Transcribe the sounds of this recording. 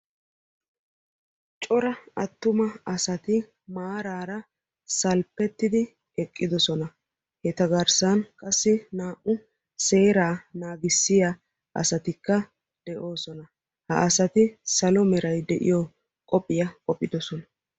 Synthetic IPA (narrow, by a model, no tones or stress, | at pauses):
t͡ʃʼɔɾɐɐt̪ːʊmɐɐsɐt̪ɪ | maːɾaːɾɐ | sɐlpːɛt̪ːɪd̪ɪ | ɛkʼːɪd̪ɔsɔnɐ | hɛt̪ɐɡɐɾsɐnkʼɐsːɪnaːʔʊ | se̞ːɾaːnaːɡɪsːɪja | ʔɐ̰sɐt̪ɪkːɐ | d̪̥ɛʔo̞ːsɔnɐ | hɐ̰ʔɐsɐt̪ɪsɐlɔmɛɾɐjd̪ɛʔɪ̰jɔ | kʼɔpʼːɪjɐkʼɔpʼːɪd̪ɔsɔnɐ